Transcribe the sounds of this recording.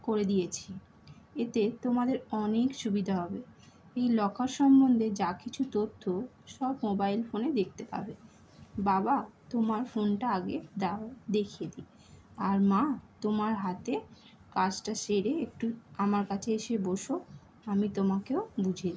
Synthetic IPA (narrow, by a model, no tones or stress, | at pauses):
koɾed̪ijet͡ɕʰi | et̪et̪omad̪eɾɔnekʃubid̪ʱaɦɔbe | ejlɔkʰaɾʃɔmbond̪ʱed͡ʑakit͡ɕʰut̪ot̪ʰːo | ʃɔbmobajlfoned̪ek̚ʰt̪epa̰be | babat̪omaɾfonʈaaɡḛd̪aod̪ekʰied̪i | aɾmat̪omaɾɦat̪e | kat͡ɕʈaʃeɾeekʈuamaɾkat͡ɕʰeeʃeboʃo | amit̪omakeobud͡ʑʱed̪i